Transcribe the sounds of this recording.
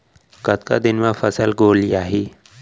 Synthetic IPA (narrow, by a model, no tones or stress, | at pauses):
kət̪̚ka̰d̪ɪnmãfəsəlɡoːljaːɦi